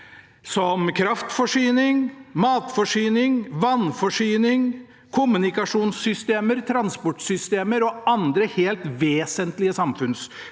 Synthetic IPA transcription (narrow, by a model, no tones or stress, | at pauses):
sɔmkʰɾɑft̪fɔʂyːnɪŋmɑːt̪fɔʂyːnɪŋʋɑnfɔʂyːnɪŋ | kʰʊmʉnɪkɑʂuːnsːʏst̪eːməɾt̪ʰɾɑnspɔʈsʏst̪eːməɾɔɑnd̪ɾəheːlt̪ʋeːsənt̪lɪəsɑmfʉns